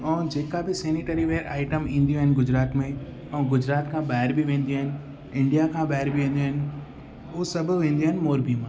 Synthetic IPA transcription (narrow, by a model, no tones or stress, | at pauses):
ɛ̃ːd͡ʑeːkabɪsɛːniʈəɾiʋeːəɾa̰ːɪʈəmĩːn̆d̪ijũɦɪnɪ̆ɡʊd͡ʑɾaːt̪mẽ | ɛ̃ːɡʊd͡ʑɾaːt̪kʰãːɓaːɪɾbɪʋẽːn̆d̪ijuɦɪnɪ̆ | ɪ̃ɳɖijakʰãːɓaːɪɾbɪʋẽːn̆d̪juɦɪnɪ̆ | ʊɦsɐbʱʊʋẽːn̆d̪ioːɦɪnɪmoːɾbimãː